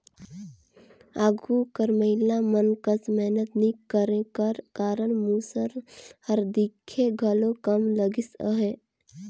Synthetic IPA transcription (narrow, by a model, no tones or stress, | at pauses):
aːɡukəɾməɦɪlamənkəsmɛɦnət̪nikəɾẽkəɾkaːɾəɽ̃muːsəɾhəɾd̪ikʰːeɡʱəlokəmləɡisəɦe